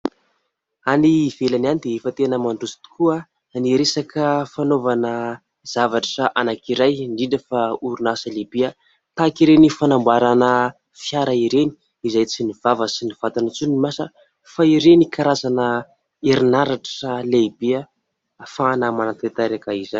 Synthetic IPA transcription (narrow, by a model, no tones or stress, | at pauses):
anivelananid̪eefət̪enəmaɳɖ͡ʐusi̥t̪u̥kua | niɾesakʰəfanovanə | z̥avaʈ͡ʂʈ͡ʂaʔanakiɾajɳɖ͡ʐiɖ͡ʐəfauɾunasəlebia | t̪akiɾenifanambaɾanə | fjaɾaiɾeni̥ | izajt͡siniv̥avəsiniv̥at̪anat͡sunimasə | faiɾenikʰaɾazanə | eɾinaɾaʈ͡ʂalebia | fanamanat̪et̪aɾakaizan